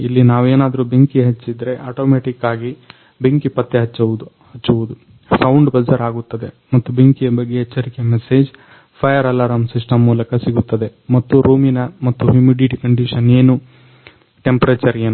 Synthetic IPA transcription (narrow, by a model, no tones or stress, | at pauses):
ilːinaːʋeːnaːd̪ɐɾubeŋkiɦɐt͡ʃːid̪ɾe̞ʔaːʈoːmeːʈikːaːɡi | beŋkipɐt̪ːeɦɐt͡ʃːɐud̪ | hɐt͡ʃːuʋud̪u | sɐwuɳɖbɐd͡ʒɐɾaːɡut̪ːɐd̪e̞ | mɐt̪ːubeŋkijɐbɐɡːeɦɛt͡ʃːɐɾikemeseːd͡ʒ | pʰɐjɐɾɐlɐɾɐmsiʂʈɐmːuːlɐkɐsiɡut̪ːɐd̪e̞mɐt̪ːuɾuːminɐmɐt̪ːuɦimiɖiʈkɐɳɖiʃɐne̞ːnu | ʈe̞mpɐɾɐt͡ʃɐɾeːnu